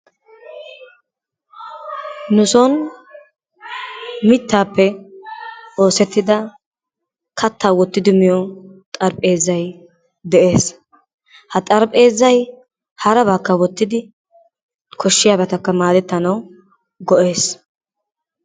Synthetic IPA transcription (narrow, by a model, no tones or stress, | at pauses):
nʊsɔn | mɪt̪ːaːpːɛ | o̞ːsɛt̪ːɪd̪ɐ | kʰɐt̪ːaːwɔt̪ːɪd̪ɪmɪjɔt̪ʼɐɾpʼeːzːɐj | d̪ɛʔe̞ːs | hɐt̪ʼɐɾpʼe̞ːzːɐj | hɐɾɐbaːkːɐwɔt̪ːɪd̪ɪ | kʰɔʃːɪjaːbɛt̪ɐkːɐmaːd̪ɛt̪ːɐnɐw | ɡɔʔe̞ːs